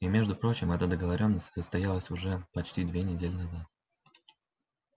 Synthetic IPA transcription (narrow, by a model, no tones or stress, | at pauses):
imʲe̞ʐd̪ʊpɾo̞t͡ɕɪmɛt̪əd̪əɡəvɐɾʲo̞nːəsʲtʲsəst̪ɐjalˠəsʲʊʐɛpɐt͡ɕtʲid̪vʲenʲɪdʲelʲɪnɐzat̪̚